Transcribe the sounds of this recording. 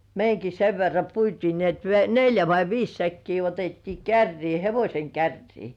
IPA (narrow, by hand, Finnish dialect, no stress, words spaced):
meiŋki seʋ ʋerːɑ puitiː ni et n neljæ ʋɑi ʋiːs sækːiː otetːiː kærːiː heʋosʲeŋ kærːiː